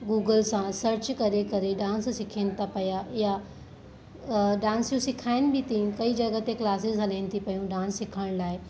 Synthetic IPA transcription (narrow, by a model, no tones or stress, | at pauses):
ɡuːɡəlsãsɐɾt͡ɕkɐɾekɐɾeɖãːnssɪkʰenɪ̆t̪ʰapɐjaja | ɖãːnsjũsɪkʰaːɪnɪ̆bɪt̪ĩkɐid͡ʑɐɡət̪eklaːsɪzɦɐlaɪnɪ̆t̪ʰipɐjũɖãːnsːɪkʰəɽ̃laːɪ